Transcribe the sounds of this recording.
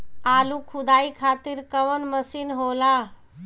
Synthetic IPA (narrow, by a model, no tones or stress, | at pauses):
aːlukʰud̪aikʰat̪iːɾkəʋənməsiːnɦola